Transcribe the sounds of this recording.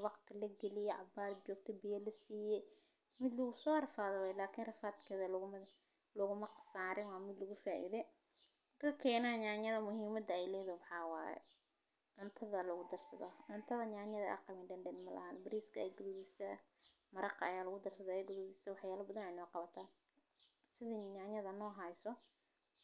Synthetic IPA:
wɑqt̪ʰɪlɐɡɛlɪjɛʕɑ̰baːɾt͡ʃɔːɡ̚t̪ʰɔbɪjɐlɐsiːjɛ | mɪd̪lɐɣʊsɔːrɐfaːðɔwɛːjlaːkʰiːnrɐfaːt̪kʰɛðɐlmɐ | lɔɣʊmɐqɑ̥saːɾɪnwɑːmɪd̪lɐɣʊfaːʔḭːðɛ | d̪̥ɐlkʰɛːnɐɲaːnjɐðɐmʊhiːmɐd̪ɐɛjlɛːðɐwɑħɑːwa̰ːjɛ̰ | ʕʊnt̪ʰɐðɐlɔɣʊd̪ɐrsɐðɔʕʊnt̪ʰɐðɐɲaːɲɐðɐ̰ʔɐ̰qɑmɪnɖɛnɖɛnmɐlɐ̰hɐnbɪɾiːskʰɐɛjɡʊðʊβɪsɐ | mɐɾɑqɐ̰jaːlɐɣʊd̪ɐrsɐðɔɛjɡʊðʊβɪsɐwɑħjaːlɐbɐðɐnɛjnɔːqɑβɐt̪ʰaː | sɪðɛɲaːɲɐðɐnɔːɦɐjsɔ

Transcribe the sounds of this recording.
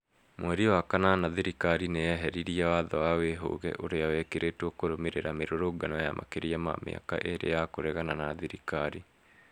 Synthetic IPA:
mwɛɾiwakananaðiɾikaɾinejɛɦɛɾiɾiawaðɔwaweɦo̰ɣɛ̰ʔoɾeawɛkeɾetwɔkoɾomeɾeɾameɾoɾoɡanɔja̰mʔa̰keɾiama̰mḛa̰ka̰ʔeɾḛjakoɾɛɣananaðiɾikaɾi

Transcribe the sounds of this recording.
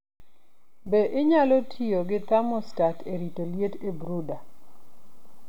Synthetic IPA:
beʔɪɲalɔtʰioɡɪt̪amɔstatʰeɾitoljetebɾuda

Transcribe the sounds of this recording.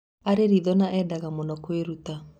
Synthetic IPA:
aɾeɾiðɔnaʔɛːdaɣamɔnɔkweɾuta

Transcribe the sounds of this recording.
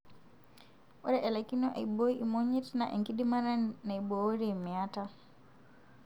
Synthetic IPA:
ɔɾɛʔɛlakinɔʔa̰ibɔiʔimɔɲɛtnaʔɛ̰ŋkidimaɾanaibɔɔɾiimɛata

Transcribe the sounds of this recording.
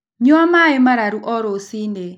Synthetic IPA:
ɲoamaɛmaɾaɾuʔɔɾosine

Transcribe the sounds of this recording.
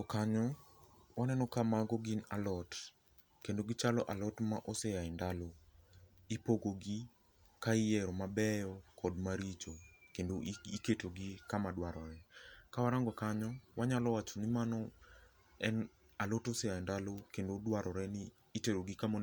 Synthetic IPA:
ɔkaɲɔ | wanɛnɔkamaɡɔɡinalɔt | kendoɡɪt͡ʃalɔʔalɔtmaʔɔsɛaɪndalo | ipoɡoɡi | kaɪjɛɾɔmabɛjɔkʰɔdmaɾit͡ʃokendoiketoɡikamadwaɾɔɾɛkawaɾaŋɡɔkaɲɔwaɲalɔwat͡ʃɔnɪmanɔ | ɛn | alɔtɔsɛjaɪndalokendodwaɾɔɾɛnɪː | teɾoɡikamo

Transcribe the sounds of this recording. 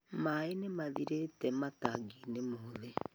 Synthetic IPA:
maenemaðiɾetɛmataɡinemoðe

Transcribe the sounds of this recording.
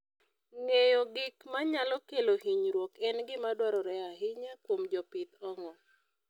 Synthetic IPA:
ŋejɔɡɪkmaɲalɔkelohiɲɾwokɛnɡɪmadwaɾɔɾɛaɦɪɲakwomd͡ʒɔpɪt̪ɔŋɔ

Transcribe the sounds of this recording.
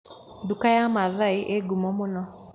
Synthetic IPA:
dukajamaðaiʔeɡumɔmonɔ

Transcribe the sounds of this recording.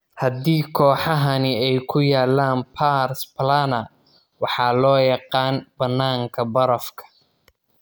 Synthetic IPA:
hɐd̪iːkʰɔːħɑɦɐnɪɛjkʰʊjaːlaːnpʰaːɾsplanɐ | wɑħɑːlɔːjɑqɑːnb̥ɐnːaːŋkʰɐbɐɾɐfkʰɐ̥

